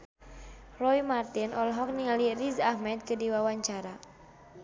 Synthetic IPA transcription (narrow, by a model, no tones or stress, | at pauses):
rɔimart̪inɔlɦɔk̚niŋalirizahmɛt̪̚kɨdiwawaɲt͡ʃaɾa